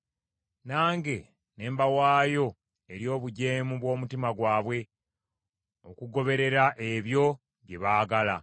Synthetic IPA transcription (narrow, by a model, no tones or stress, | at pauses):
naːŋɡe̞ | ne̞ːmbawaːjo̞ | eɾjo̞ːβuɟe̞ːmuβwo̞ːmutimaɡwaːβwe̞ | o̞kuɡo̞βe̞ɾe̞ɾaʔe̞βjo̞ | βje̞βaːɡala̰